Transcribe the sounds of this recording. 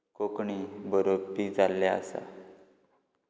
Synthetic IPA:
kokɳiːbəɾopid͡zalːaə̰sa̰

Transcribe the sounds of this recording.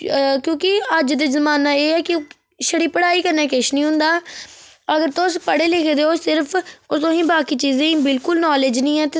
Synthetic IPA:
kjõːkɪəd͡ʒd̪eːzəmaːnaːeːɛːkɪ | ʃəɽiːpəɽaːiːkəɾnɛ̃ːkɪʃnĩːɦʊ̃nd̪aː | əɡəɾt̪ʊspəɽeːlekʰd̪eːoːsɪɾpʰʊt̪õːɦĩːbaːkiːt͡ʃiːzẽbɪlkʊlnɔːleːd͡ʒnĩːɛ̃ːt̪e

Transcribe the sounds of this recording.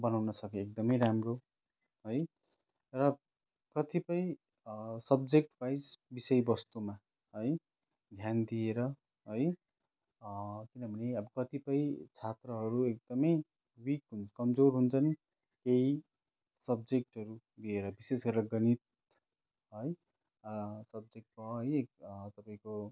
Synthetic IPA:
bʌnawnʌsʌkeek̚d̪ʌmʌjɾamro | ɦʌj | rʌ | kʌt̪ipʌĩ | sʌbd͡zek̚ʈpajsbisʌjbʌst̪uma | ʌj | d̪ʱjand̪ieɾʌ | ɦoj | kinʌbʱʌneʌbʌkʌt̪ipʌĩt͡sʰat̪rʌɦʌɾuek̚d̪ʌmʌj | wikɦunt͡sʰʌ̥kʌmd͡zoɾɦunt͡sʰʌni | kei | sʌb̚d͡zek̚ʈɦʌɾu | d̪ieɾʌbisesɡʌrd̪aɡʌnit̪̚ | ɦʌj | sʌbd͡zek̚ʈ̚kʌɦʌjekt̪ʌpaĩko

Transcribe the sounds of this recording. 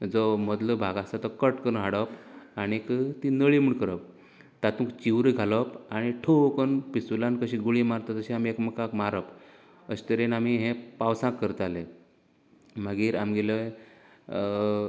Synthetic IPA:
d͡zɔməd̪ləbʱaɡasat̪əkəʈkəɾunɦaɽəpaɽ̃ikt̪inəɭim̤uɳkəɾəp̚ | t̪at̪ũːkt͡ɕiʋɾəɡʱaləpaɽ̃iʈʰokənpisulankəɕiːɡuɭimaɾt̪at̪əɕĩamiekməkakmaɾəp | əɕt̪əɾenamiɦẽpawsãkːəɾt̪ale | maɡiːɾamɡelə

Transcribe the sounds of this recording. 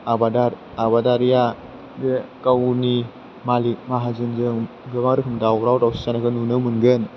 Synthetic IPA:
abadaɾ | abadaɾija | dekawni | malik̚maɦazɯnzɯŋ | ɡɯbaɾɯkʰɯmdawɾawtawsi̥sanaɡɯnunɯmɯnɡɯn

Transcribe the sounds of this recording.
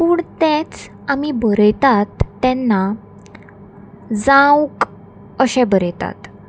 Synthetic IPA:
puːɳt̪ɛ̃t͡s | amibəɾəjt̪at̪ːɛnːa | d͡zãwk | əɕɛ̃bəɾəjt̪a̰t̪

